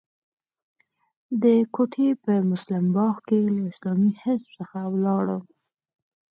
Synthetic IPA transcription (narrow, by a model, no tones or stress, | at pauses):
d̪əkoʈʰepəmʊslɪmbɑxkelaɪslɑmihɪsb̥səxawlɑɽə